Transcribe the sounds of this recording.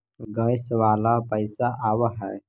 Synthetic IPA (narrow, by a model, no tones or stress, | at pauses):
ɡəjsʋaːlapəɪsaʔawaɦɛ